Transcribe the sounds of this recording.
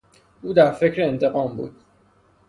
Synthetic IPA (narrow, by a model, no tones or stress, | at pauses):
ʔuːd̪æɾfe̞cʰɾeːnt̪ʰe̞ɣɒːmbṵːd̪̥̚